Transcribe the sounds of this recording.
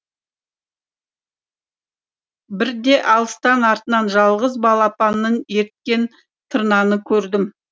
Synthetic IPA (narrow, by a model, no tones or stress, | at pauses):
bɪɾd̪e̞ʔɑlˠəst̪ɑnɑɾt̪ənɑnʒɑlˠʁəzbɑlˠɑpɑnːəne̞ɾt̪̚kʲe̞n | t̪ʰəɾnɑnəkʲʰɵɾd̪ɪm